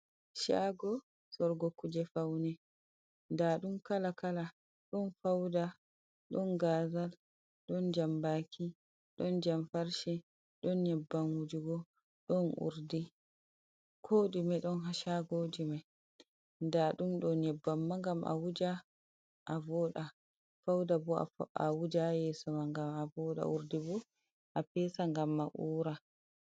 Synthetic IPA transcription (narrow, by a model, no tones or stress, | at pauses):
ʃaɡɔ | sɔɾɡokːud͡ʒɛfawnɛ | ndaɗumkalakala | ɗɔnfawda | ɗɔnɡazal | ɗɔnd͡ʒambakʰi | ɗɔnd͡ʒamfaɾʃɛ | ɗɔnɲɛbːanwud͡ʒuɡɔ | ɗɔnṵɾdi | kʰoːɗimaɗɔnɦaʃaɡod͡ʒimaj | ndaɗumɗɔnɲɛbːamːaŋɡamʔa̰wud͡ʒa | ʔːvɔɗa | fawdabɔ̰awud͡ʒajɛsɔmaŋɡamavɔɗa̰ʔuɾdibɔ | ʔapɛsaŋɡamːaʔuːɾa